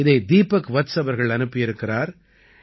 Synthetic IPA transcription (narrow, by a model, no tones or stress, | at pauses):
ɪðɐɪd̪iːpːɐkʋɐt̪sɐʋɐɾɣɐɭɐnɯpːɪjɪɾɯkːɪraːɾ